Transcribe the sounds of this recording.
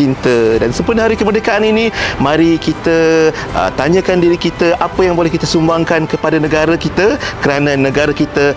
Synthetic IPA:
int̪ədansəmpərnəɦaɾikəmərdekaʔaninĩmãɾikit̪ə | ʔə̰t̪aɲə̃kandiɾikit̪əʔapəjaŋbolɛhkit̪asumbaŋkankəpadanə̃ɡaɾakit̪əkəɾanãnə̃ɡaɾakit̪ə

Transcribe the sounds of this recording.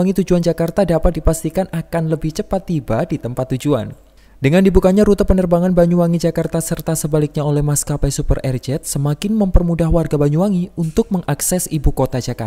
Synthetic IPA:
aŋit̪ud͡ʒuand͡ʒakart̪adapat̪̚dipast̪ikanakanləbɪht͡ʃəpat̪ːibadit̪əmpat̪ːud͡ʒua̰n | dəŋandibukaɲaɾut̪apənərbaŋanbaɲuaŋid͡ʒakart̪asərt̪asəbalɪk̚ɲaolɛhmaskapasupərɛrd͡ʒɛt̪̚səmakɪnməmpərmudaɦwarɡabaɲuaŋiunt̪ʊk̚məŋaksɛsibukot̪ad͡ʒakar

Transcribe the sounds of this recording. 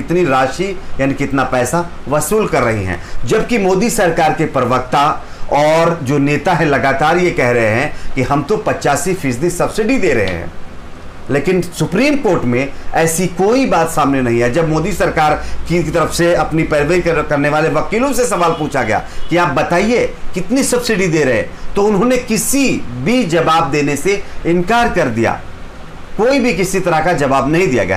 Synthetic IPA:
ɪt̪niɾaːʃijaːnikɪt̪napɛːsa | ʋɐsuːlkɐɾːɐɦḭɦɛ̰̃ːd͡ʒɐb̚kimoːd̪isɐɾkaːɾkepɾɐʋək̚t̪a | ɔːɾd͡ʒoːneːt̪aɦɛ̃lɐɡaːt̪aːɾjekɛɦɾɐɦeɦɛ̃kiɦɐmt̪opɐt͡ʃaːsifʰɪsd̪isɐbsɪɖid̪eːɾɐ̰ɦḛɦɛ̰̃ː | leːkɪnsʊpɾiːmkoːɾʈmẽɛːsikoːibaːt̪saːmnenɐɦĩɦɛːd͡ʒɐbmoːd̪isɐɾkaːɾkit̪ɐɾəfseɐpnipɛɾʋeːɾikkɐɾneʋaːleʋɐkiːlõsesɐʋaːlpuːt͡ʃʰaɡɐja̰ːkiaːp̚bɐt̪aːiekɪt̪nisɐbsɪɖid̪eːɾɐɦḛt̪oʊnɦõnekɪsibʱid͡ʒɐʋaːb̚d̪eːneseɪ̃nkaːɾkɐɾd̪ija̰ː | koːibʱikɪsit̪ɐɾakad͡ʒɐʋaːbnɐɦĩd̪ija̰ɡɐja̰ː

